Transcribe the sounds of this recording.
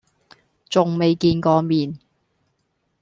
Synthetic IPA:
t͡sʊ˨ŋme˨jkiː˧nkɔː˨˧miː˨n

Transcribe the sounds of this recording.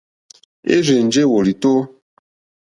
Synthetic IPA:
ḛ˦ɾe˨n̩˨d͡ʒe˦˨wo˨li˨to˦

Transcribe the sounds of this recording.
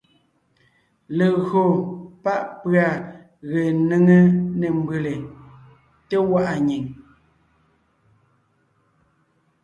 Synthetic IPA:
le˨ɣɰo˨pa˦ʔpɰa˨ | ɣe˨ne˦˨ŋe˦ne˨m˦be˨le˨ | te˦wa˦ʔa˨ɲi˨ŋ

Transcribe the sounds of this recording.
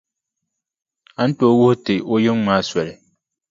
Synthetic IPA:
a˨˦n̩˦to˦wʊ˦htɪ˨o˦jɪ˦ŋŋ͡maː˦swɛ˨lɪ˨

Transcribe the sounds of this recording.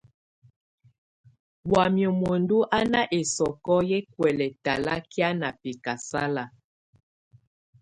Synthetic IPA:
wa˨mjo˨mo˨ndu˦ʔa˦na˦ʔe˨sɔ˨kɔ˦je˦kwɛ˨lɛ˨ta˨la˦kja˦na˨pe˨ka˨sa˦la˨

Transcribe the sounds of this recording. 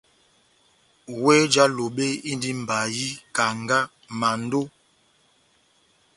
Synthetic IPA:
we˦d͡ʒa˦lo˨ɓe˦i˦ndi˦m̩˨ba˨ji˦ka˨ŋɡa˦ | ma˨n˦do˦

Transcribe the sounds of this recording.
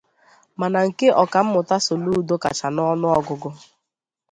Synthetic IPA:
ma˨na˨ŋ̩˨ke˦ʔɔ˨ka˨m̩˦mʊ˨ta˦so˨lu˦u˨˦do˦ka̰˨t͡ʃa˨nɔ˦nʊ˦ɔ˦ɡʊ˨ɡʊ˦

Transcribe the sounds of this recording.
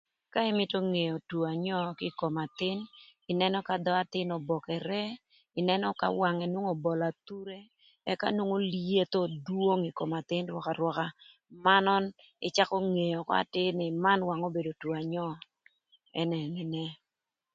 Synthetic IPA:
ka˦ɪ˦mɪ˦tɔ˦ŋe˨jɔ˨two˨a˨ɲɔ˦kɪ˦ko˨ma˨t̪ɪ˦nɪ˨nɛ˦nɔ˦ka˨d̪ɔ˦a˨t̪ɪ˦nɔ˨bɔ˨kɛ˨ɾɛ˦ | ɪ˨nɛ˦nɔ˦ka̰˨wa˨ŋɛ˨nwo˦ŋo˨bɔ˨la˨t̪u˦ɾe˦ | ɛ˦ka̰˦nwo˦ŋo˦li˦e˦t̪ɔ˦dwo˦ŋi˨ko˨ma˨t̪ɪ˦nɾwɔ˦ka˨ɾwɔ˦ka˦ | ma˦nɔ˦n | ɪ̰˨t͡ʃa˦kɔ˦ŋe˨jɔ˨kɔ̰˦a̰˨tɪ˦nɪ˨ma˦nwa˨ŋo˦be˨do˨two˨a˨ɲɔ˦ | ɛ˦nɛ˨nɪ˨nɛ˦

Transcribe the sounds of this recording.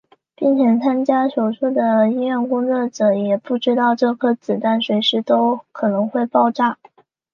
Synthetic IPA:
pi˥˩nt͡ɕʰjɛ˧˩nt͡sʰa˥nt͡ɕja˥ʂo˨˩ʊʈ͡ʂʰu˥d̪ə˨i˥ɥɛ˥˧nkʊ˥ŋt͡sɔ˥˩ʈ͡ʂɤ˧˥jɛ˨˩pu˥˩ʈ͡ʂɻ̩˥t̪ɑ˥˧ʊʈ͡ʂɤ˥˧kʰɤ˥t͡sɹ̩˨˩t̪a˥˩nʂwe˧˥ɪʂɻ̩˧˥t̪o˥ʊkʰɤ˨˩nɤ˧˥ŋxwe˥˧ɪpɑ˥˧ʊʈ͡ʂa˥˩

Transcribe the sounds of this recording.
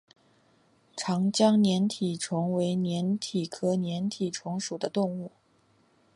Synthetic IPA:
ʈ͡ʂʰɑ˧˥ŋt͡ɕjɑ˥ŋnjɛ˧˥nt̪ʰi˨˩ʈ͡ʂʰʊ˧˥ŋwe˧˥ɪnjɛ˧˥nt̪ʰi˨˩kʰɤ˥˩njɛ˧˥nt̪ʰi˨˩ʈ͡ʂʰʊ˧˥ŋʂu˨˩d̪ə˦t̪ʊ˥˧ŋu˥˩

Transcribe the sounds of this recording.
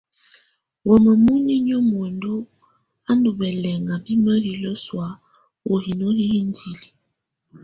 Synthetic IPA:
wɔ˨mə˨mu˦ni˦ɲɔ˦mwɔ˨ndu˦ | a˦ndu˨bɛ˨lɛ˨ŋa˨bi˦mə˦ɾi˨lɔ˦swa˦ | o˨hi˨no˦hi˦hi˦n˦di˨li˨

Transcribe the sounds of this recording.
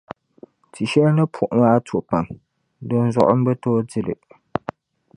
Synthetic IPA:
tʰi˨ʃɛ˦lnɨ˦pʰʊ˨ʔʊ˨maː˦tʰo˨pa˨ŋ | dɨ˦n˦zʊ̰˨ʔʊ̰˦m̩˦ɡ͡bɛ˦toː˦dɪ˦lɨ̰˨

